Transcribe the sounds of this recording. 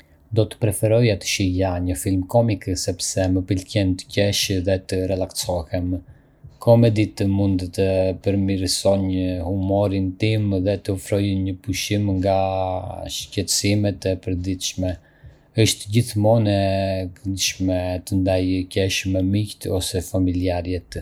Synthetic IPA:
d̪ɔt̪ə̥pɾɛfɛɾɔjat̪ə̥ʃijaɲəfilmkɔmiksɛpsɛməpəlcɛnt̪ə̥cɛʃðɛt̪əɾɛlaksɔhɛm | kʰɔmɛd̪it̪əmund̪t̪əpəɾmiɾsɔɲəhumɔɾint̪imðɛt̪əfɾɔjəɲəpuʃimŋɡa | ʃcɛt̪əsimɛt̪ɛpəɾd̪it̪ʃmɛ | əʃt̪d͡ʑiθmɔnɛkənd̪ʃmɛt̪ənd̪ajcɛʃmɛmikt̪ɔsɛfamiliaɾjɛt̪

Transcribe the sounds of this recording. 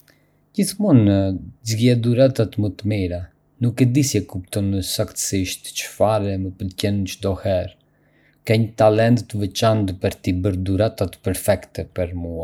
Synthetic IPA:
ɟiθmunzɡɛd̪uɾat̪at̪mət̪əmiɾa | nukɛd̪isjɛkupt̪ɔnəsakt̪ə̥siʃt̪t͡ʃə̥faɾɛməpəd̪cɛnt͡ʃd̪ɔhɛɾ | kɛɲt̪alɛnt̪ːəvɛt͡ʃant̪pəɾt̪ibəɾd̪uɾat̪at̪pɛɾfɛkt̪ɛpɛɾmua

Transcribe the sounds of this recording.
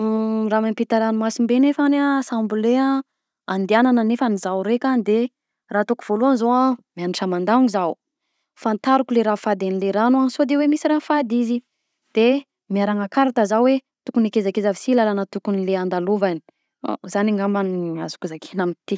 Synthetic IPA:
ramampit̪aɾanumasimbenefanasambulea | and̪ianananefanizawɾekʲanid̪e | raːt̪okuv̥oluanzoamianiʈ͡ʂamand̪auŋizaw | fant̪aɾukuleɾafad̪enileɾanuansod̪ewemisiɾafad̪izi | d̪̥e | miaɾaŋakaɾat̪əzawe | t̪ukunikezakezavisilalanət̪ukunileand̪aluvani̥̰ | zaniŋambaniazu̥kuzakʰi̥namit̪i

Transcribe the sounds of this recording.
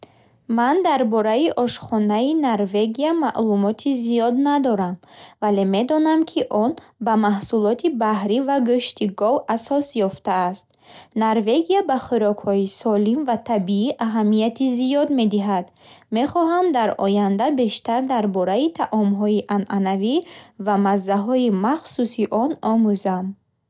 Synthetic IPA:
mand̪aɾbɔɾaiʔɔʃχɔnainoɾve̞ɡiamaʔlumɔt̪ʰizijɔd̪nad̪ɔɾamvale̞me̞d̪ɔnamkʰiʔɔnbamahsulɔt̪ʰibahɾivaɡuʃt̪iɡɔvasɔsjɔft̪aːst̪̚ | naɾve̞ɡiabaχiɾɔkhɔisɔlimvat̪ʰabiiʔaɦamːijat̪ʰizijɔd̪me̞d̪iɦad̪ | me̞χɔɦamd̪aɾɔjand̪abe̞ʃt̪aɾd̪aɾbɔɾait̪ʰaʔɔmɦɔiʔanʔanavivamazːaɦɔimaχsusiʔɔnɔmuzam

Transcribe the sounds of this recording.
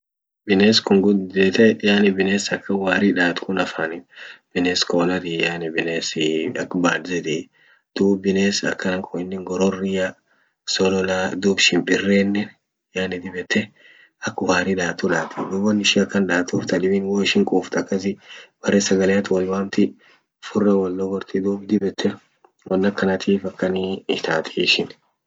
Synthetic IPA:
bɪneːskʊŋɡʊdd̪et̪ɛjaːnɪbɪneːsɐkːɐwaːɾɪᶑaːt̪kʰʊnɐfaːnɪb̥ɪneːskoːnɐt̪ɪjaːnɪbɪneːsɪɐkːbaːlzɛt̪ɪ | d̪̥uːbbɪneːsɐ̰kːɐnɐŋkʰʊɪnːɪŋɡɔɾɔrɪja | sɔlɔlad̪uːbʃɪmbɪrːeːnːɛn | jaːnɪd̪ɪbɛt̪ːɛ | ɐkːʊhaːɾɪᶑ̪aːt̪ːulaːt̪ʰɪd̪uːbɔnːɪʃɪɐkːɐnᶑaːt̪uːft̪ɐᶑ̪ɪbɪnwoːɪʃɪŋkʼuːft̪ɐkːɐs̬ɪb̥ɐrɛsɐɡɐlɛjɐt̪wɐlwaːmt̪ɪ | fʊrːɐwɐlːɔɡɔɾt̪ɪd̪uːbd̪ɪbɛt̪ʰːɛ | wɐnːɐkːɐnɐt̪ʰiːfɐkːɐniːt̪ʰaːt̪ʰiʃɪn

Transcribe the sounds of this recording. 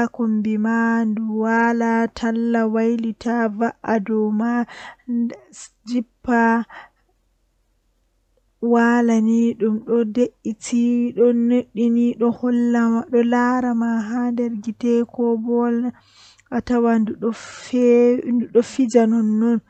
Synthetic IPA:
kombimanduwalatʰalːawajlitʰavaʔadɔwma | d͡ʒipːa | walaniɗumɗɔdeʔːitʰiɗɔnoɗːiniɗɔhɔlːaɗɔlaɾamaɦandɛɾɡitɛkɔbɔl | ʔatawanduɔfnduɗɔfid͡ʒanɔnːɔn

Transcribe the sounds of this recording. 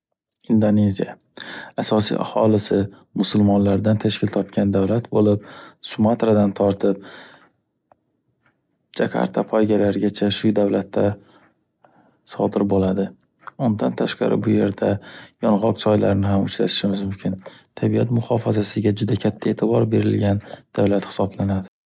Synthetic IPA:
ɪnd̪one̞zija | asɒsḭʔa̰hɒlɪsɪ | mʊsʊlˠmɒnlaɾd̪ant̪ʰaʃkʲɪlt̪ʰɒpkʲʰand̪awlat̪bolɪp̚sʊmat̪ɾad̪ant̪ʰɒɾt̪ʰɪp̚ | d͡ʒakʰa̰ɾt̪ʰapʰɒjɡʲalaɾɡʲat͡ʃʰaʃʊd̪awlat̪ʰːa | sɒd̪ɪɾbolad̪ɪ | ʊnd̪ant̪ʰaʃqɑ̰ɾɪ̰bʊje̞ɾd̪ajɒnʁɒqd͡ʒʰɒjlaɾnɪɦamʊt͡ʃɾa̰t̪ɪ̥ʃɪmɪzmʊmkʰʲɪnt̪ʰabijat̪mʊhɒfazasɪɡʲad͡ʒʊd̪akʲʰat̪ʰːae̞ːt̪ʰɪbɒɾbe̞ɾɪ̰lɡʲand̪̥avlat̪hɪ̥sɒblanad̪ɪ

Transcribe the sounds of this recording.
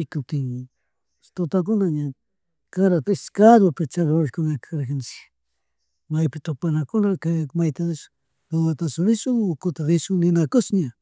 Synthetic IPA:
ɪkʊp̚t̪ɪŋ | t̪ot̪ak̬ʊnaɲa | kaɾat̪aeskad̪wapɪt͡ʃaɣoʃkʊŋakʰaɾkansɪ̥ | majpɪt̪ʊpanakʊnakaamajt̪as | d̪owat̪asʊɾɪʃʊŋʊkʊt̪aɾɪʃʊŋnɪnakʊsɲa

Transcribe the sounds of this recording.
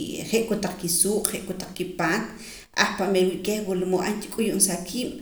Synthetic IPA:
χeʔkot̪aq͡χkisuːqʼχeʔkot̪aq͡χkipaːt̪ | ʔaχpamelwiʔkehwolmoʔank̪i̥kʼujuʔnsakʰiːɓ̥

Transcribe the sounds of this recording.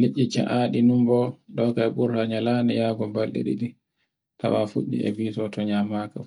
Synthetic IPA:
liʔːit͡ʃa̰ʔaɗinumbɔɗɔkaɛbuɾhaɲalanɛjaːɡɔbalɗɛ̰ɗḭɗi | tʰa̰wafuɗːḭɛ̰viːsɔtɔɲamaka

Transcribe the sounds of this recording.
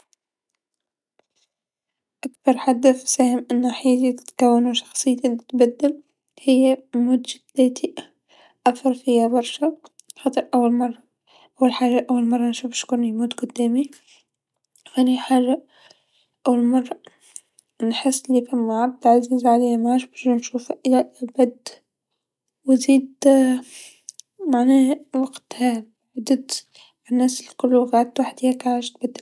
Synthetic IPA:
ʔakbɑɾˤħad̪ːafsaːhɪmʔɪnːaħiːd͡ʒit̪t̪kawːanuʃɑ̥xsˤɨjːt̪lt̪bad̪ːɪl | hɪjːamuːd̪ʒɪt̪leːt̪ʰi | ʔafɑɾˤfɪjːabɑɾˤʃa | xɑːt̪ˤɨɾʔawːalmɑrˤːɑ | ʔawːalħaːʒaʔawːalmɑrˤːɑnʃuːfʃkuːnimuːt̪ɡʊd̪ːæːmi | xæːniħaːʒa | ʔæwːəlmɑrˤːɑ | nħɪsːlifæmːaʕab̚d̪lʕaziːzʕalijmaʕaːʃbɑɾˤʒnʃuːfæʔɪlæbæd̪ | wziːd̪ | maʕnæːhwɑɡt̪hæ | ʕd̪əd̪ | nːæːsɪlkʊlːuɣaʕd̪t̪waħd̪hækaʕaːʒt̪̚bæd̪ːɪl

